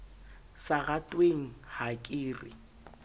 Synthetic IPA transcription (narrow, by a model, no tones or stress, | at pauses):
saɣatʼweŋ̩hakʼiːrɪ̰